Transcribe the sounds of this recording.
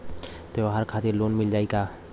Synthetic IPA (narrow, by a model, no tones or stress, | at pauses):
t̪eɦəɾkʰaːt̪ɪɾloːnmɪld͡ʒaːiɡaː